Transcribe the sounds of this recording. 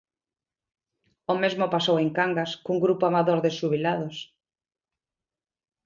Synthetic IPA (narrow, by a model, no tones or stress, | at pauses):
ʊmezmʊpasoweŋkaŋɡaskuŋɡɾupoamaðoɾðeʃuβilaðʊs